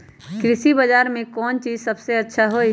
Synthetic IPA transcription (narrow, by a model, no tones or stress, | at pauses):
kɾɪsibəd͡ʒaːɾmẽkɔːnt͡ʃiːzsəbseɐtːʃʰaɦoːi